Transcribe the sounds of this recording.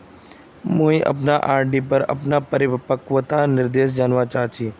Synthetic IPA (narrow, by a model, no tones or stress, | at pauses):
mũːĩʔə̰p̬naʔaːɾɖipəɾɐ̰pnapəɾɪpəkʋət̪anɪɾd̪eːʃ̬d͡ʒaːnʋat͡ʃaːɦt͡ʃʰiː